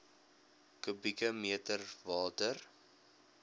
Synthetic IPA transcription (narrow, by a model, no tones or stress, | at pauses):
kəbikəmiətərvɑːtər